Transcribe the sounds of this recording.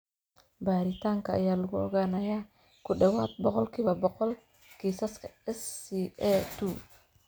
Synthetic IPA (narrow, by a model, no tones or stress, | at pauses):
baːɾɪt̪ʰaːŋkʰɐ̰ːjaːlʊɣʊɔ̰ɣaːnɐjaː | kʰʊɖɐwaːt̪̚bɔqɔlkʰiːβɐbɔqɔl | kʰiːsɐskʰɐɛsiːɛt̪u